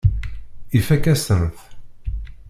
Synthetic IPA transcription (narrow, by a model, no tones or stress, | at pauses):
ifækæsənθ